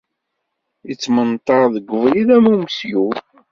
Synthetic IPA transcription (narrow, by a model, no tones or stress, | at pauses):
it͡sːmənt̪ˤɑɾðəɡʷːəvliðæmumsju